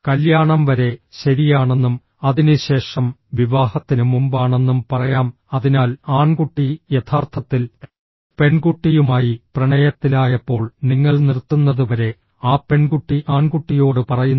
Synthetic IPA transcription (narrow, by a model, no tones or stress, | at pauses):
kɐljaːɳɐmʋɐɾe̞ɕɐɾijaːɳe̞nːum | ɐðinɨɕe̞ːʂɐmʋiʋaːhɐt̪ːinumumbaːɳe̞nːumpɐrɐjaːm | ɐðinaːlaːɳkuʈːijet̪ʰaːrt̪ʰɐt̪ːil | pe̞ɳkuʈːijumaːjiprɐɳɐjɐt̪ːilaːjɐpːo̞ːɭniŋːɐɭnirt̪ːunːɐðuʋɐɾe̞ | aːpe̞ɳkuʈːiʔaːɳkuʈːijo̞ːɽɨpɐrɐjunː